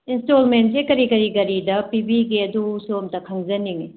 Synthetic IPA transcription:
instolment̚sekɐɾikɐɾikɐɾidɐpibiɡiɐdusumtɐkʰɐŋzɐniŋi

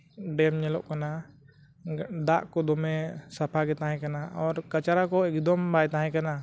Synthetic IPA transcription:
ɖɛmɲɛlɔ̰ʔkana | d̪aʔkɔd̪ɔmɛsapʰaɡɛt̪aɦɛ̃kanaʔɔɾkat͡ʃaɾakɔɛkd̪ɔmbajt̪aɦɛ̃kana

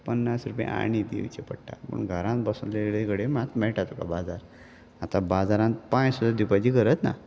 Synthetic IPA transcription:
pənːasɾupjḛ̃a̰ɽ̃id̪ḛʋt͡ɕepəɽʈa̰pə̰ɳɡʱəɾãnt̪bəsunleɽekəɽemãt̪mɛɭʈat̪uka̰bad͡zaɾ | at̪ãbad͡zaɾãnt̪pãsud̪ad̪ipat͡ɕikəɾət̪na̰

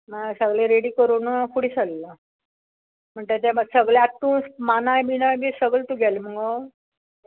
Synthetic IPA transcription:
masəɡleɾeɽiːkəɾuːnakuɽisəlːa | m̤əɳt̪et̪ɛməɡsəɡɭeaʈ̪ːuːnsmanajbinajbisəɡəlt̪uɡʱɛlməɡɔ

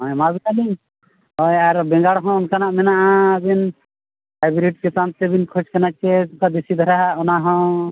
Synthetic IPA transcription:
ɦɔ̃jmabinaliŋ | ɔjaɾbɛ̃ŋɡaɽɦɔ̃ːnkanaʔmɛnaʔãbin | pajbɾiʈ̚kit̪ant̪ebinkʰot͡ʃkɛnat͡ʃɛukad̪esid̪ʱɔɾaɦaɔnaɦɔ̃

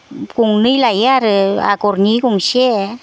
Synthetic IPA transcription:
kuŋnɨjlajaɾa̰koɾɲikuŋse

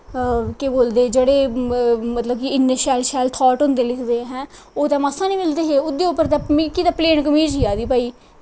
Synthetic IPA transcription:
keboːld̪eːd͡ʒeːɽeːmət̪ləbkɪɪnːeʃɛːlʃɛːlt̪ʰɔːʈɦʊ̃nd̪eːlɪkʰd̪eːɦɛ̃ː | oːt̪ãːmasãːnĩːmɪld̪eːɦeːʊd̪eːʊpːəɾt̪ãːkit̪aːpleːɳkəmiːd͡ʒɦiːaːd̪iːpaːiː

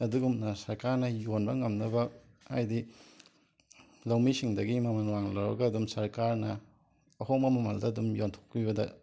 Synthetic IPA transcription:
ɐduɡumnɐsɐɾkaɾnɐjonbɐŋɐmnɐbɐ | a̰jdi | lɐwmisiŋdɐɡimɐmɐnwaŋlɐwɾɐ̰ɡɐːdumsɐɾkaɾnɐ | ɐhomɐmɐmɐldɐːdumjontʰo̥k̚pibɐdɐ̰

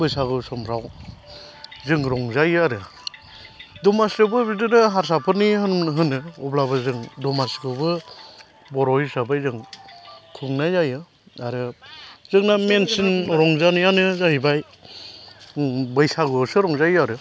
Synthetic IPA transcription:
bɯjsaɡɯsɔmʰɾaw | zɯŋɾɔŋzajɯaɾɯ | dɔmasɡɯbɯbidɯnɯɦaɾs̬apʰɯnihɯnɦɯnɯɔblabɯzɯŋdɔmasɡɯbɯ | bɔɾɔhisabajzɯŋ | kʰɯŋnajzajɯ | aɾɯzɯŋnamensɯnɾɔŋzanɯjanɯzaɦibaj | bɯjsaɡɯɔsɯɾɔŋzajɯaɾɯ

